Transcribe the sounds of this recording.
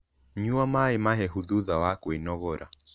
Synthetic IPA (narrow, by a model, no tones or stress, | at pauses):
ɲuamaimaɦɛɦuðuðawakuinɔɣɔɾa̰